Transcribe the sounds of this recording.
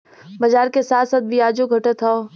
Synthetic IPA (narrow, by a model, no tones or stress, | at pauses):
bɐd͡ʒaːɾkesaːt̪ʰsat̪̚bʱiaːd͡ʒoɡʱɐʈət̪ʰɦɔː